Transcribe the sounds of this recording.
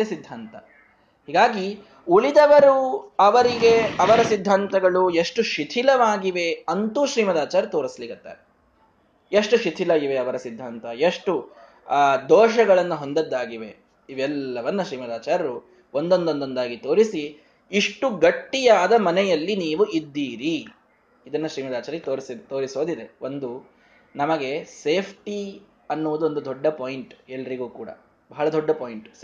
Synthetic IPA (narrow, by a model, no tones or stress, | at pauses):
esid̪ʱːaːnt̪ɐ̰ | hiːɡaːɡi | uɭid̪ɐʋɐɾuɐʋɐɾiɡe̞ɐʋɐɾɐsid̪ʱːaːnt̪ɐɡɐɭueʂʈuʃit̪ʰilɐʋaːɡiʋe̞ɐnt̪uːʃɾiːmɐd̪aːt͡ʃaːɾut̪oːɾisliɡɐt̪ːa̰ːɾe | jeʂʈuʃit̪ʰilaːɡiʋe̞ɐʋɐɾɐsid̪ʱːaːnt̪ɐjeʂʈu | d̪ɔːʃɐɡɐɭɐnːuɦo̞nd̪ɐd̪ːaːɡiʋe | iʋɛlːɐʋɐnːɐʃɾiːmɐd̪aːt͡ʃaːɾɐɾu | ʔond̪ond̪ond̪ond̪aːɡit̪o̞ːɾisi | iʂʈuɡɐʈːijaːd̪ɐmɐnɛjɐlːiniːʋuʔid̪ːiːɾi | id̪ɐnːɐʃɾiːmɐd̪aːt͡ʃaːɾɐet̪oːɾisid̪t̪o̞ːɾiso̞ːd̪id̪e̞ʔond̪u | nɐmɐɡe̞seːpʰʈi | ɐnːuʋud̪uo̞nd̪ud̪ɔɖːɐpoːjiɳʈɛlːɐɾiɡuːkuːɽɐ̰ | bɐɦɐɭɐd̪ɔɖːɐpoːjiɳʈ